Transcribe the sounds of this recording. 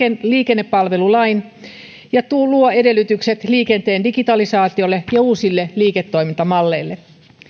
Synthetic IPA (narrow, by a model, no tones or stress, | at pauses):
liːkenːepːɑlʋe̞lulɑin | jɑt̪uluoede̞lːˑyt̪ykset̪liːkent̪e̞ːndiɡit̪ɑlisɑːt̪io̞lːejɑuːsilːeliːket̪ːo̞ijmint̪ɑmɑlːe̞ilːe